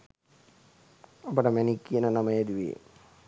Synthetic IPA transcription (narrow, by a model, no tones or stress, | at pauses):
ɐpɐʈɐmenikːienɐnɐmɐjed̪iʋḛː